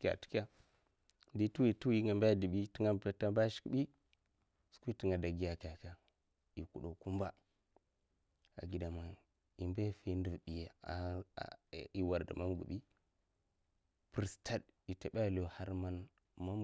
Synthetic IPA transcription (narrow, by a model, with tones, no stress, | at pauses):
ka̰˨tu̥˦ka˦ | di˦tu˦wi˨tu˦wi˦ŋɡa˨mba˦˨di˨bi˦ti˦ŋa˦pa˦ta˦ba˦ʃi̥˨˦kɓi˦ | su̥˦ku˦i˦ti˨ŋa˨da˨ɡi˦ja˨ka˨ka˨ | i˨ku˨ɗo˨ku˦mba˦ | a̰˨ɡi˨da˨ma˨n | i˨mba˦˨fi˦ndu˨vɓi˨ja˨a˨ | i˨wa˨ɾda̰˨ma˦nɡṵ˨bi˦ | pɾi˨sta˦d | i˨ta˨ɓa˦˨lo˨ha˦ɾma˦n | ma˦m